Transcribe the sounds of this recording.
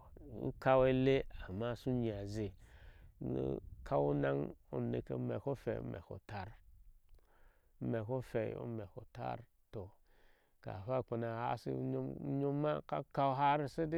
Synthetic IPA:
ṵ˦ka˦we˦le˦a˨ma˦˨su˦ɲi˨a˨ze˨˦˨ | kʰa˦wu˦na˦ŋu˦nḛ˦˨kḛ˦mḛ˨ko˦fḛ˨˦mɛ̰˨ko̰˨ta˦ɾ | me˨ko˦fe˨o̰˦mɛ˨ko̰˨ta̰˦ɾ | to˨ | ka̰˨fa˦˨k͡pe˨na˨ha̰˦sḭ˦ɲo˦ma˦ka˦ka˦ɦa˦ɾi˦se˦di˦

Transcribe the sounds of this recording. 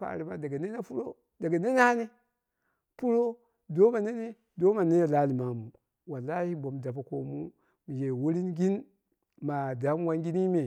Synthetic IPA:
pa̰˨ɾi˨ma̰˨da˨ɡa˨ne˦na˦pu˦ɾo˦ | da˨ɡa˨ne˦na˦ne˦ | pu˦ɾo˦ | do˦ma˨ne˦ne˦ | do˦ma˨ne˦ja˨la˦li˨ma˨mu˨ | wa˨lːa˦hi˦bo˨mda˨pa˨ko˨mu˦ | mi˨d͡ʒe˨wu˦ɾi˦nɡi˦n | ma˨da˨˦m˦wa˦nɡi˦ni˦me˨

